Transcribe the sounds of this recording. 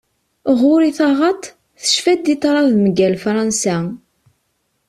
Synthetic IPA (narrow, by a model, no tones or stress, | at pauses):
ʁʊɾiθɑʁɑt̪ˤ | θə̥ʃfæd̪it̪ˤːɾˤɑðməɡælfɾˤɑnsæ